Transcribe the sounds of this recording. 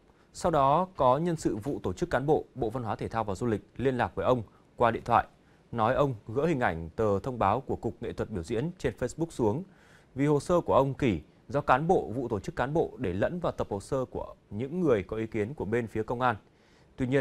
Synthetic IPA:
sa˧wɗɔ˨˦kɔ˨˦ɲə˧nsɨ̰˧˨vṵ˧˨t̪o˧˩t͡ɕɨ˦˥kːaː˨˦nɓo̰˧˨ɓo̰˧˨va˧nɦwaː˨˦t̪ʰe˧˩t̪ʰaː˧wvaː˨˩wzu˧lï˨˩k̟̚li˧ənlaː˨˩k̚vəː˨˦jʔə˧wŋ͡m | kwaː˧ɗḭ˧˨ənt̪ʰwa̰ː˧˨j | nɔ˨˦jʔə˧wŋ͡mɣə̰˧˥hï˨˩ŋ̟ʔa˧˩jŋ̟t̪əː˨˩t̪ʰə˧wŋ͡mɓaː˨˦wku˧˩əkʊ˨˩k͡p̚ŋḛ˧˨t̪ʰə˨˩t̚ɓi˧˩əwzḭ˧˥ənt͡ɕe˧nfe˧jsɓʊ˦˥k̚su˨˦əŋ | vi˨˩ho˨˩səː˧ku˧˩əʔə˧wŋ͡mki˧˩ | zɔ˧kaː˨˦nɓo̰˧˨vṵ˧˨t̪o˧˩t͡ɕɨ˦˥kːaː˨˦nɓo̰˧˨ɗe˧˩lə̰˧˥nvaː˨˩wt̪ə˨˩p̚ho˨˩səː˧ku˧˩əɲɨ̰˧˥ŋːɨ˨˩əjkɔ˨˦ʔi˨˦ki˨˦ənku˧˩əɓe˧nfi˨˦kə˧wŋ͡mʔaː˧n | t̪wi˧ɲi˧ən

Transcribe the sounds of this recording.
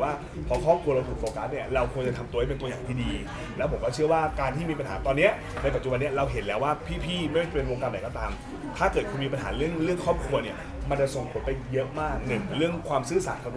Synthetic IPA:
waː˥˩ | pʰɔ˧kʰɔː˥˩p̚kʰu˧ɾa˧wt̪ʰuː˨˩k̚ʔoː˧kaː˨˦˥t̪̚ni˥˩ɐɾa˧wkʰu˧əŋt͡ɕa˨˩t̪ʰa˧mt̪u˧ha˥˩pe˧nt̪u˧əjaː˨˩ŋt̪ʰiː˥˩diː˧ | lɛ˦˥wpʰo˩˦mkɔː˥˩t͡ɕʰɯ˥˩ɐwaː˥˩kaː˧nt̪ʰiː˥˩miː˧pa˧nhaː˩˦t̪ɔː˧nːi˦˥ɐ | na˧pa˨˩t̚t͡ɕu˨˩ba˧nːi˦˥ɐ˩ɾa˧wɦe˨˩˦nlɛː˦˥waː˥˩pʰiː˥˩pʰiː˥˩ma˥˩ɔ˥˩t͡ɕa˧pe˧nwoː˧ka˧mda˨˩˦kɔː˥˩t̪aː˧m | t̪ʰaː˥˩kɤː˨˩t̪̚kʰu˧miː˧pa˧nɦaː˩˦ɾɯ˥˩əŋɾɯ˥˩əŋkʰɔː˥˩p̚kʰu˧ɐni˦˥˩ɐ | ma˧nt͡ɕa˨˩so˨˩ŋpʰo˨˩˦npa˧jːɤ˦˥ʔmaː˥˩k̚nɯ˨˩ŋɾɯ˥˩əŋkʰwaː˧msɯː˦˥˩saː˩˦nkʰa˧˩˦

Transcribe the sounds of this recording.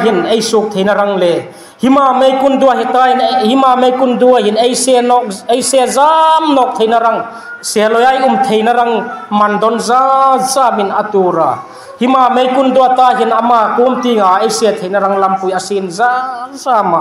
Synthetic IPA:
ɦi˨nʔe˧jsu˧k̚t̪ʰe˧jna˧ɾa˧ŋlɛ˨ | hi˦ma˨me˧jkund̪u˧a˨ɦi˧t̪a˧ɦi˨nhi˦ma˧˨me˧jkʊ˧nd̪u˧aɦi˨ne˦jse˧nɔ˧ke˧jse˧za˦mnɔ˧˨k̚t̪ʰe˧jna˧ɾa˧ŋ | sɛ˧lɔ˨jʔɐ˦jʔu˧mt̪ʰe˧jna˦ɾa˧ŋmɐ˨nd̪ɔ˧nza˦za˧mɪ˨na˧t̪u˧˨ɾa˨ | hi˦maː˧˨me˧jkʊnd̪u˧a˧t̪aː˧ɦi˨nʔɐ˨ma˧ku˦mt̪i˧ŋa˨ʔejse˧t̪ʰe˧jna˧ɾa˧ŋlɐ˧mpu˨ja˨sinzaː˦zaː˧ma˨

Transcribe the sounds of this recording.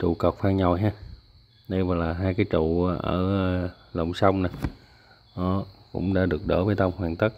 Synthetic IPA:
t͡ɕṵ˧˨kə˨˩p̚faː˧ŋɲɔ˨˩jɦaː˧ | ɗə˧jvaː˨˩laː˨˩ɦaː˧jkaː˨˦jt͡ɕṵː˧˨˦ʔəː˧˩˧ | lə̰˨˩wŋ͡msa˧wŋ͡mna˨˩ | ʔɔ˨˦kʊ̰˧˥ŋ͡mɗa̰ː˧˥ɗɨ˨˩ək̚ɗə̰ː˧˥˩vəː˧˦jt̪ə˧wmhwaː˨˩ŋt̪ə˦˥k̚

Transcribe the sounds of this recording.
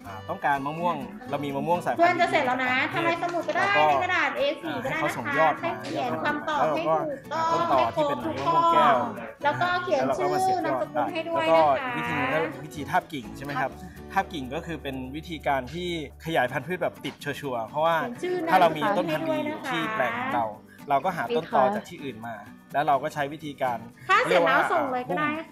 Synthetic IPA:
ʔa˨˩t̪ɔ˥˩ŋkaː˧nma˧˥mu˥˩əŋ | ɾa˧wmiː˧maː˦˧˥mu˥˩əŋsaː˨˦kʰu˧ə˧nt͡ɕa˨˩se˨˩t̪̚la˨˩wna˧˦˥t̪ʰa˧mːɾa˧jsa˧mu˨˩t̪̚kɔ˥˩daː˧˥˩ja˧ka˧daː˨˩t̪̚ʔeː˧siː˨˧˩a˧naː˥˩a˧na˦so˨˩˦a˦jɔː˥˩t̚ʰa˥˩kʰi˨˩˦ənkʰwaː˧mt̪ɔː˨˩˥ɦa˥˩jɔ˥˩uː˨˩t̪ɔː˦˥˩o˧˩thɔa˥˩tʰːo˧t̪ʰuː˧˩kɔː˧˥˩kɔ˥˩lɛː˦˥wkɔː˥˩kʰi˨˩˦ən˨sʰɯː˥˧˩na˦˥sa˧ku˧˩nɦa˥˩jdu˥˩˦əjkɔaː˦˥˩a˦wi˦˥t̪ʰiː˧nː˧kɔ˥˩˨wi˦˥t̪ʰiː˧t̪ʰaː˥˩p̚ki˨˩ŋt͡ɕʰa˥˩ma˦jkʰa˦˥p̚ | t̪ʰaː˥˩p̚ki˨˩ŋkɔː˥˩kʰɯː˧pe˧nwi˦˥t̪ʰiː˧kaː˧nt̪ʰiː˥˩kʰa˧jaː˩˦jpʰa˧npʰɯ˥˩t̚bɛː˨˩p̚t̪i˨˩t̪̚t͡ɕʰu˧ət͡ɕʰu˧ɐpʰɾɔ˦˥waː˥˩nsʰɯː˥˩aː˥˧˩ɾa˧wmiː˧t̪o˥˧nʰ˥a˧u˥˩ə˧na˦t̪ʰiː˥˩plɛː˨˩ŋkʰɔ̰ː˨˩˦ɾa˧w | la˧wkɔː˥˩ɦaː˩˦˧o˥˩nt̪ɔː˨˩t͡ɕaː˨˩k̚t̪ʰiː˥˩ʔɯː˨˩nmaː˧ | lɛ˦˥wɾa˧wkɔː˥˩t͡ɕʰa˦˥jwi˦˥t̪ʰiː˧kaː˧nʰaː˥˩˦wa˧˥˩so˧˩ŋlɤː˧jkpʰu˧˥˩m

